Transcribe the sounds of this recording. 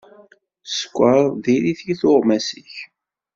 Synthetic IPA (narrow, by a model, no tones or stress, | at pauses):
sə̥kʷːəɾˤðiliθjiθoʁˤmæsəç